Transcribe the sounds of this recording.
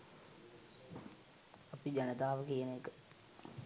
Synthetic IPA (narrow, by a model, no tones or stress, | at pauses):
ɐpid͡ʒɐnət̪aːʋəkijənəekə